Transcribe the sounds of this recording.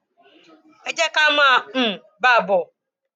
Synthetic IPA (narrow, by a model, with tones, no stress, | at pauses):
e˦d͡ʒe˦ka˦m˦a˦˨m̩˨ | ba˦˨bʊ˨